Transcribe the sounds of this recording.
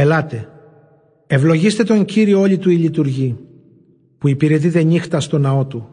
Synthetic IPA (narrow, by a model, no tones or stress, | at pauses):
elɐt̪e̞ | e̞vlo̞ʝist̪e̞t̪o̞ɲciɾio̞o̞lit̪uilit̪uɾʝi | puipiɾe̞t̪̬it̪e̞ɲixt̪ɐst̪o̞nɐo̞t̪u